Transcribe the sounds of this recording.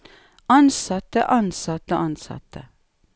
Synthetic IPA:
ɑnsɑt̪əʔɑnsɑt̪əʔɑnsɑ̰t̪ə

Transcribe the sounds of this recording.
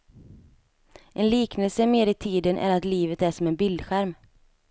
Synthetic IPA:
ʔɛnliːknəlsəmeːɾɪt̪ʰiːd̪ənʔæ̰ɾat̪liːvət̪æʂɔmɛnbɪld̪ɧæɾm

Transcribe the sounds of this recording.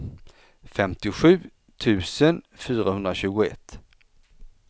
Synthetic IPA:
fɛmt̪ɪɧʉ̟ː | t̪ʰʉ̟ːsənfyːɾahɵnd̪ɾaɕʉ̟ːɡʊɛ̰t̪ː

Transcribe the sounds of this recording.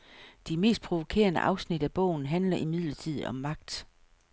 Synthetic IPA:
d̥eme̝̰ːsd̥̚pʰʁo̝ʋo̝kʰe̝̰ːɐnə̰ʔɑ̈ʊsnid̥æb̥ɔ̰̽ʊ̰n̩ɦænlɐʔimið̞̰ˠlɐt͡sʰið̞̰ˠɒ̽mːɑ̈ɡ̥̚d̥

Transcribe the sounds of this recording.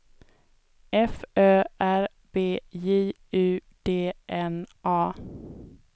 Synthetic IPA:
ʔɛføːʔæɾ | beːjiː | ʉ̟ː | d̪̥eːʔɛnʔɑː

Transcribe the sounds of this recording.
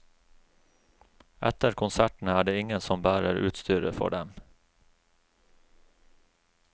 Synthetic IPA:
ʔɛ̰t̪əɾkʰʊnsæʈɳ̩æːɖeːɪŋənsɔmbæːɾəɾʉ̰ːt̪st̪yːɾə̰fɔ̰ɖɛm

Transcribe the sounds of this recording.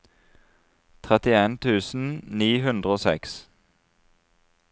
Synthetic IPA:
t̪ʰʁɛt̪ɪeːnt̪ʰʉːsn̩niːhʉnd̪ʁəoːsɛ̰ks

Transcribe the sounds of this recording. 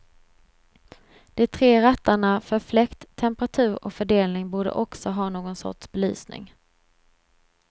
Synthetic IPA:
d̪̥ɛt̪ʰɾeːɾat̪ːaɳafœɾflɛkt̪ʰːɛmpəɾat̪ʰʉ̟ːɾɔ̰kfœɖeːlnɪŋbuːɖə̰ʔɔksɔɦɑːnoːɡɔnsɔ̰ʈʂbɛly̰ːsnɪ̰ŋ

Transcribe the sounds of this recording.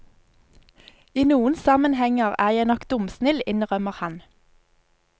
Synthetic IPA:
iːnuːənsɑmənhɛŋəʁæːjæɪnɔkd̪ʊmsnɪlɪnʁœməʁhɑn

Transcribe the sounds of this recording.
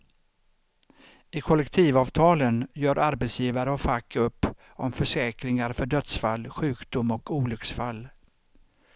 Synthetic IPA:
ɪkʰɔlɛkt̪ʰiːvɑːvt̪ʰɑːlənjœːɾʔaɾbɛt̪sjiːvaɾəɔfakːɵpː | ɔ̰mfœʂɛːkɾɪŋaɾfœɖœt̪sfalːɧʉ̟ːkd̪ʊmɔkuːlʏksfalː

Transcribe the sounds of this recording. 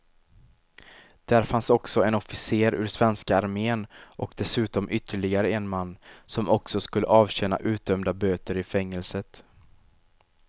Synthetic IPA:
d̪̥æɾfansɔksɔɛnɔfɪseːɾʉ̰ːɾsvɛnskaːɾmeːnʔɔkd̪ɛsʉ̟ːt̪ɔmʔʏt̪ʰːəɭɪɡaɾəɛnmanːsɔmɔksɔskɵlːə̰ʔɑːvɕɛnːa̰ʔʉ̟ːt̪̚d̪œmd̪abøːt̪əɾɪfɛŋːəlsət̪

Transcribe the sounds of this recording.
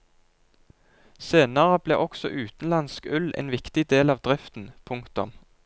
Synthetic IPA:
seːnəʁəb̥lḛːʔɔksɔ̰ʔʉːt̪n̩lɑnskʉlḛːnʋɪkt̪ɪd̪eːlɑːʋd̪ʁɪft̪n̩pʰʊŋkt̪ʊm

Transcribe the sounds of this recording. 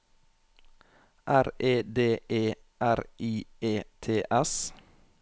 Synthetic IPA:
ʔæɾeːd̪eːʔeː | ʔæɾiːeːt̪ʰeːʔɛs

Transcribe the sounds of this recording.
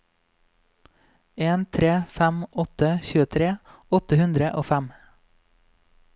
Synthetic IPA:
eːnt̪ʰɾeːfæmʔɔt̪əçʉːət̪ʰɾeːɔt̪əhʉnd̪ɾəʔoːfæm

